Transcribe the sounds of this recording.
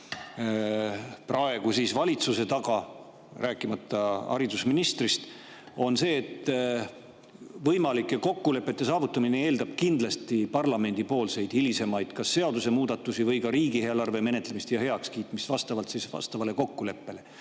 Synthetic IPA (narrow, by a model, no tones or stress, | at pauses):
prɑe̞ɡ̥usiːsvɑlʲit̪suse̞t̪ɑɡ̥ɑ | ræːkːˑimɑt̪ːɑɑ̰ɾid̪usminist̪rist̪ | o̞nse̞ːt̪ːˑ | vɤjmɑlikːˑeko̞kːule̞pːˑe̞t̪ːˑe̞sɑːvut̪ːˑɑminee̞ːld̪̥ɑb̥kind̪̥lɑst̪ipɑrlɑme̞nʲd̪̥ipo̞ːlse̞jd̪̥ilise̞mɑjd̪̥kɑsːe̞ɑd̪use̞muːd̪̥ɑt̪ːˑusivɤjkɑɾiːɡiheelɑrve̞me̞ne̞t̪le̞mist̪jɑhe̞ɑkskiːt̪ˑmist̪vɑst̪ɑvɑlt̪sisvɑ̰st̪ɑvɑle̞ko̞kːule̞pːe̞le̞